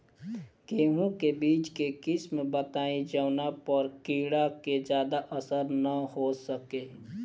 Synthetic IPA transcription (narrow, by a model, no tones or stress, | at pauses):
keːɦũkebiːt͡ʃkekɪsmbət̪aːĩd͡ʒəːnapɔɾkiːɽaked͡ʒjaːd̪aʔəsəɾnəhosəkeː